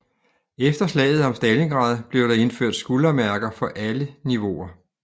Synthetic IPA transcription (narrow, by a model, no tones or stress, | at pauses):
efd̥ɐslɛ̰ːð̞̩ˠɒ̽msd̥æle̝ŋɡ̥ʁɑ̰̈ːðˠb̥le̝ʊɾ̥ɑ̈e̝nføɐ̰d̥sɡ̥ulɐmæɐɡ̥ɐfɒ̽ʔæləniʋo̝ɐ